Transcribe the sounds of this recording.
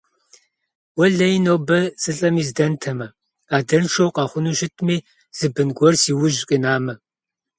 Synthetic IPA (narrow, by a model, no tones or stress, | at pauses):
wɔɮɐjɪnowbɐsɨɬʼɐmiːzdɐntʰɐmɐ | aːdɐnʃowqɑːχʷʊnuːʃɪtʰmiː | z̥ɨbɨnɡʷɔrsiːwʊʒqʼinaːmɐ